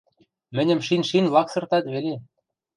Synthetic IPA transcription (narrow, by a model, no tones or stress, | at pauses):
mɘ̆nʲɘ̆mʃinʲʃinlɑksɤ̆rt̪ɑt̪βele